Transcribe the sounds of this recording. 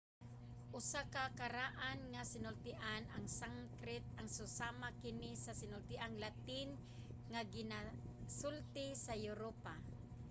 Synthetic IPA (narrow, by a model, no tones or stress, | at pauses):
ʔʊsakakaɾaʔanŋasɪnʊlt̪ɪʔanʔaŋsaŋkɾɪt̪̚aŋsʊsamakɪnisasɪnʊlt̪ɪʔaŋlat̪ɪn | ŋaɡɪnasʊlt̪ɪsajʊɾopa